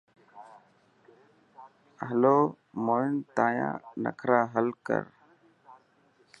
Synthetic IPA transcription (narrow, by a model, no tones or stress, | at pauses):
ɦəloː | moːɪnt̪aːjã̰ːnə̰kʰɾaːɦəlkə̰ɾ